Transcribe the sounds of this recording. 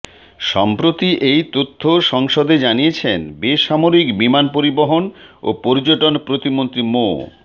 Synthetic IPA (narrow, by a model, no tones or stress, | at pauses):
ʃɔmpɾot̪iʔejt̪ot̪ʰːoʃɔŋʃod̪ed͡ʑanijet͡ɕʰenbeʃamoɾikbimanpoɾiboɦono̰poɾid͡ʑoʈonpɾot̪imont̪ɾimo